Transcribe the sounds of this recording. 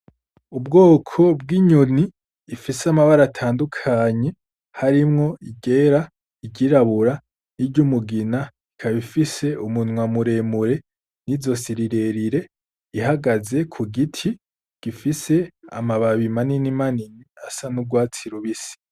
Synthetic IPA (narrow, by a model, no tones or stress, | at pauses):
ub̚ɡoːkʰo̞b̚ɡiɲoniː | fiseamaβaɾatʰaːndukʰaɲe̞ | haɾimŋo̞iɟe̞ɾa | iɟiɾaβuɾa | niɟumuɡina | ikʰaβifise̞umunŋwamuɾe̞muɾe̞ | nizo̞siɾiɾe̞ɾiɾe̞ | iɦaɡaze̞kʰuɡitʰi | ɡ̥ifise̞a̰maβaβimaninimaniniasanub̚ɡwaːt͡siɾuβisi̥